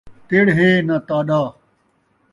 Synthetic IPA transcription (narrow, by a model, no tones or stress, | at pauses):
t̪eɽɦeːnat̪aːɗaː